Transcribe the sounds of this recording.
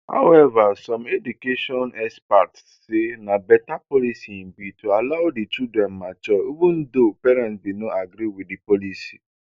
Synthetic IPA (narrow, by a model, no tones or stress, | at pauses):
ha̰ʊɛvasɔ̃medukeʃɔnɛspat | senãbɛtapɔlisim̩bitʰualaʊdit͡ʃildɾɛ̃nmãt͡ʃɔobũn̩dopɛɾɛ̃ntbinõʔaɡɾiwiddipɔlisḭ